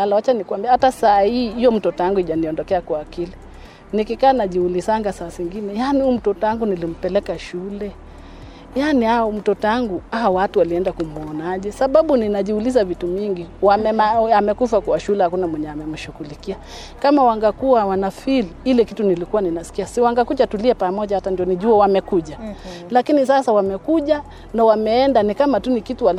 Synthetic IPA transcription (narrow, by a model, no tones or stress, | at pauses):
alawat͡ʃanikwambiahatasaːhiːijɔm̩tɔtɔaŋɡuiʄaniɔndɔkɛakwaːkili | nikikaːnaʄiulisaŋɡasaːsiŋɡinɛjanium̩tɔtɔaŋɡunilim̩pɛlɛkaʃulɛ | janiaɔm̩tɔtaŋɡuaɔwatuwaliɛndakumuɔnaʄɛsaɓaɓuninaʄihulizavitumiŋɡiwaɛaamɛkufakuaʃulɛhakunamwɛɲɛamɛm̩ʃukulikia | kamawaŋɡakuawanafililɛkitunilikuwaninasi̥kiasiwaŋɡakut͡ʃatuliɛpamɔʄahatandiɔniʄuawamɛkuʄalakinisasawamɛkuʄa | nawamɛɛndanikamatunikitual